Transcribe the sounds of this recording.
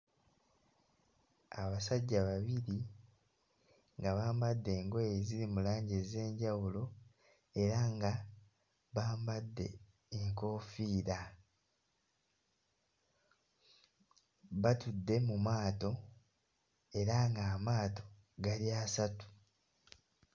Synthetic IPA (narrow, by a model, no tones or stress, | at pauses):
aβasaɟːaβaβiɾi | ŋɡaβaːmbadːe̞ːŋɡo̞jeziɾimulaːɲɟeze̞ːɲɟawulo̞ | e̞ɾaŋɡa | βaːmbadːe̞̰ː | ŋko̞ːfiːɾa | βatudːe̞mumaːto̞ | e̞ɾaŋɡaːmaːto̞̥ | ɡaɾiasatu̥